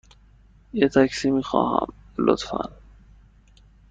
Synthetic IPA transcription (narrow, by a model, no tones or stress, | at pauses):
jet̪ʰæksiːmiːxɒ̰ːhæ̰mlot̪fæ̰n